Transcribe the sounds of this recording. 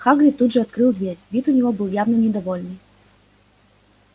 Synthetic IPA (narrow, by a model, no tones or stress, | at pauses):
xaɡlʲit̪ːud̪ʐɨat̪kɾɨlˠd̪vʲerʲvʲit̪unʲɛɣɔbɨlˠjawnɐnʲɛd̪avɔlʲnɨj